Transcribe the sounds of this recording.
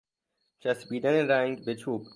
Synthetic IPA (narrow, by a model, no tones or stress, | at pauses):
t͡ʃʰæsbiːd̪æneɾæŋɡbe̞t͡ʃʰuːb̥